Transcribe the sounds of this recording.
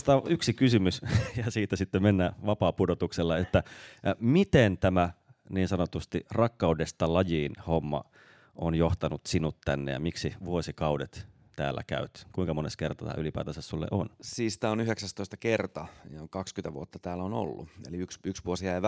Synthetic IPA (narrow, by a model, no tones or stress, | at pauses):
si̥t̪æoʔyksikysymysjɑsiːt̪ːæsit̪ːemenːæʋɑpɑːpudot̪ukselːɑet̪ːæmit̪ent̪æmæ | niːnsɑnot̪ust̪irɑkːɑudest̪ɑlɑjiːnhomːɑ̰ | ʔonjoht̪ɑnut̪sinut̪t̪ænːḛjɑ̰miksiʋuosikɑudet̪ | t̪æ̰ːlːæ̰kæ̰yt̪kuiŋkɑmoneskert̪ɑt̪æ̰ylipæ̰ːt̪æsæssulːḛʔo̰nsiːst̪æonyheksæst̪oist̪ɑkert̪ɑjɑkɑkskynt̪æʋṵot̪ːɑt̪æːlono̰lːuḛliyksyksʋuosjæi